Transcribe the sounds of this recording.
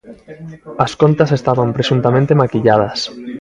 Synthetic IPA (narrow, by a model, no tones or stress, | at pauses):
ɐskont̪ɐsest̪aβampɾesũnt̪amẽnt̪emakiʎað̞ɐs